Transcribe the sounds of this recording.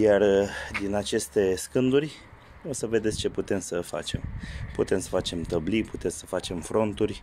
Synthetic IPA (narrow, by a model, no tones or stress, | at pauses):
jard̪inat͡ʃe̞st̪e̞skɨnd̪urʲ | o̞səve̞d̪e̞t̪sʲt͡ʃe̞put̪e̞msəfa̰t͡ʃe̞mput̪e̞msə̥fat͡ʃe̞mt̪əbliput̪esəfat͡ʃe̞mfɾo̞nt̪urʲ